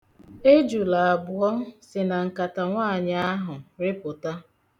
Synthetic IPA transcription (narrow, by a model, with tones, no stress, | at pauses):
e˦d͡ʒu˨la˨a˨bʊ˨ɔ˦sɪ˨na˨ŋ̩˨ka˨ta˨ŋʷaː˦˨ɲa˦a˦ɦʊ˨ɾe˦pʊ˨ta˦